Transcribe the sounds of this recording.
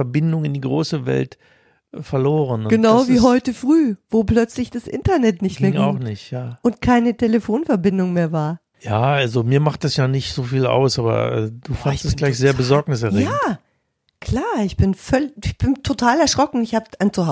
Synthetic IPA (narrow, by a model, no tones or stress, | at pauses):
ɛɐbɪndʊŋɪndiːɡʁo̰ːsəvɛ̰lt | fɛɐloːʁənʊɡ̥ənaʊviːɦɔʏtəfʁ̥yːvoːpl̥œt͡slɪçd̥asʔɪ̰ntɐnɛtnɪçtmmeɐŋaʊxnɪçtjaːʔʊntkʰaɪnətʰeləfoːnfɛɐbɪndʊŋmeːɐvaːɐ | jaːalzomiːɐmaχt̚d̥asjaːnɪçtz̥oːfiːla̰ʊsʔaːbɐ̰ʔɛ̰ːd̥uːfanstɛslaɪçz̥eːɐbəzɔɐknɪs̬ɛɐʁejːaː | kl̥aːɐɪçb̥ɪnfœlɪɪçb̥ɪntʰotʰaːlɛɐʃʁ̥ɔkŋ̩ɪçhaːbəaɪnt͡suha